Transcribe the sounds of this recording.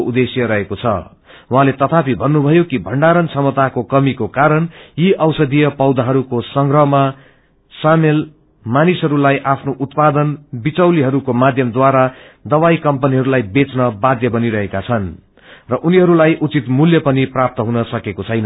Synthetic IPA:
ud̪esjʌɾʌɦekot͡sʰʌ̰ | wɦãlet̪ʌt̪ʰapʰibʱʌnːubʱʌjokibʱʌɳɖaɾʌnsʌmʌt̪akokʌmikokaɾʌnjiʔʌwsʌd̪ijʌpʌwd̪aɦʌɾukosʌŋɡrʌɦma | samel | manisɦʌɾulajʔapʰnoʔut̪pad̪ʌnbit͡sʌwliɦʌɾukomad̪ʱjʌmd̪waɾa | d̪ʌβajkʌmpʌniɦʌɾulajbet͡snʌbad̪jʌbʌniɾʌɦekat͡sʰʌn | rʌʔuniɦʌɾulajʔut͡sit̪muljʌpʌniprap̚t̪ʌɦunʌsʌkekot͡sʰʌjnʌ

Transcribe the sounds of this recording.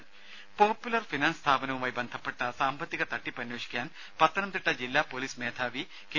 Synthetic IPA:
poːpːjulɐrfinaːnst̪ʰaːpɐnɐʋumaːjbɐnd̪ʱɐpːeʈːɐsaːmbɐt̪ːiɣɐt̪ɐʈːipɐnjoːʂi̥kʲjaːn | pɐt̪ːɐnɐmt̪iʈːɐd͡ʑilːaːpoːliːsmeːt̪ʰaːʋi | ke

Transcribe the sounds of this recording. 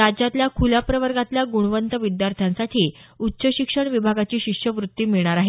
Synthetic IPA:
ɾad͡ʑat̪ljakʰulapɾəʋəɾɡat̪ljaɡuɽ̃ʋənt̪əʋid̪jaɾt̪ʰjansaʈʰiːutːɕəɕikʂəɳʋibʱaɡat͡ɕiːɕikʂjəʋɾut̪ːiːmiɭɳ̃aɾaɦe

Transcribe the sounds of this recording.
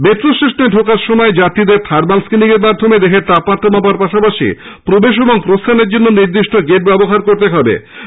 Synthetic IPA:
bet̪ːɾosɾeʃneɖʱokaɾʃomɔed͡ʑat̪id̪eɾt̪ʰaɾmalskiniɡeɾmaɾd̪ʱomed̪eɦeɾt̪apmat̪ʰːomabaɾpaʃapaʃḭ | pɾobeʃ̬eboŋpɾost̪ʰaneɾd͡ʑonːoniɾd̪iʃʈʰoɡeʈ̚bɛboɦaɾkoɾt̪eɦɔbḛ

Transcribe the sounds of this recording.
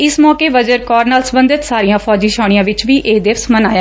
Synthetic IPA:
ɪsmɔːkeːʋəd͡ʒəɾkɔːɾnaːlsəmbənd̪ɪt̪saːɾijãːpʰɔːd͡ʒiːʃaːɽ̃ɪjãːʋɪt͡ʃʋiːʔeːd̪ɪʋsmənaːjaː

